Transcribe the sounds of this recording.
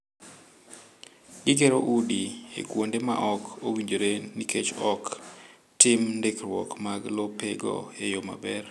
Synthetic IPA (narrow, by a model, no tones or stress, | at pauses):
ɡɪk̬eɾoʔudiḛkwondema̰ʔɔkowiɲd͡ʒoɾenikʰet͡ʃɔk | tɪmndekrwɔkmaɡlopeɡɔ̰ejoma̰bɛr